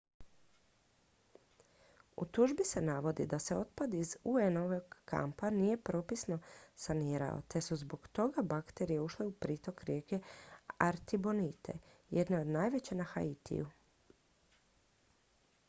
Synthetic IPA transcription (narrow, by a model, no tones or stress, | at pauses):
ṵt̪uʒbise̞naʋo̞d̪ḭd̪ase̞o̞t̪pad̪izuenoʋoɡːa̰mpanije̞pɾo̞ːpisno̞saniːɾa̰o̞̰t̪e̞suzbo̞ɡt̪o̞ɡabakt̪e̞ɾijeuʃleupɾiːt̪o̞kɾjeke̞aɾt̪ibo̞nit̪ʰe̞̰je̞d̪neo̞d̪najʋe̞t͡ɕenaxa̰it̪ḭju